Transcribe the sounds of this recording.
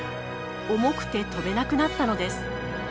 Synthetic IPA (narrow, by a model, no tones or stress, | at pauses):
o̞mo̞kɯ̟̥t̪e̞t̪o̞be̞nakɯ̟nat̪ːano̞d̪e̞sɨ̥